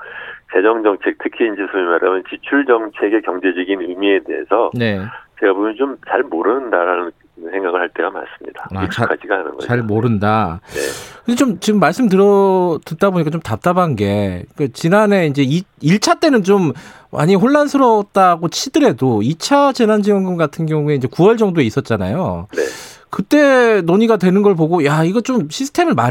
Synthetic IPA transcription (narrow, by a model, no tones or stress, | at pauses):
t͡ɕe̞d͡ʑʌŋd͡ʑʌŋt͡ɕʰe̞k̚tʰɯkʰiːnd͡ʑisʰuimadɾamjʌnt͡ɕit͡ɕʰuɭd͡ʑʌŋt͡ɕʰe̞ɡe̞kjʌŋd͡ʑe̞d͡ʑʌɡinɯmie̞de̞̰ɦḛsʰʌne̞t͡ɕeɡabomʌt͡ɕomt͡ɕaɭmoɾɯndaɾanɯn | nsʰe̞ŋɡaɡɯɭhaɭt͈e̞ɡama̰ns͈ɯ̥mɲida̰akʰad͡ʑiɡaanɯ̰nɡʌ̰aɭmoɾɯndanekɯndet͡ɕomt͡ɕimːaɭs͈ɯmt̬ɯɾʌdɯdaboɲik͈at͡ɕomtap̚t͈abanɡe̞k͈at͡ɕinane̞ind͡ʑe̞iiɭt͡ɕʰat͈e̞nɯnt͡ɕom | ma̰ɲiɦoɭːansʰɯɾʌt̚t͈aɡot͡ɕʰidɯɾe̞doit͡ɕʰad͡ʑe̞nand͡ʑiwʌŋɡɯmɡatʰɯnɡjʌŋue̞ind͡ʑe̞kuwʌɭd͡ʑʌŋdoe̞is͈ʌt̚t͡ɕ͈ana̰jonekɯt͈e̞noɲiɡadwe̞nɯnɡʌɭpoɡojaiɡʌt͡ɕomɕʰisʰɯ̥tʰe̞mɯɭma